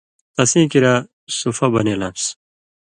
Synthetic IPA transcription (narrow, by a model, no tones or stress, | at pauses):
t̪ɐsĩːkiɾa | sufɐbɐnelɐ̰ps